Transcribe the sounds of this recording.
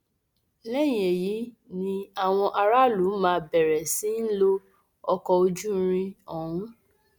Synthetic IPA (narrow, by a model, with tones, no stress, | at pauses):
lɛ˦j̃e˨ji˨˦ | nĩ˧a˦˨w̃ɔ̃˧ʔa˧ɾa˦lu˨˦mãː˧bɛ˨ɾɛ˨si˨˦n̩˦lo˦ | ɔ˧kɔ˧o˧d͡ʒu˦ɾ̃ĩ˧ɔ̃˨ũ˦